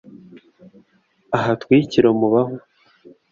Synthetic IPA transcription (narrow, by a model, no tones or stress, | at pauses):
aɦatwiːciɾomuβaho